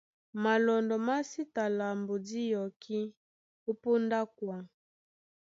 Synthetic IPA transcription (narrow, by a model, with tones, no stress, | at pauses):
ma˨lɔ˨ndɔ˨ma˦si˦ta˨la˨mbo˨di˦jɔ˨kʰi˦ | o˦po˦nda˦kwa˨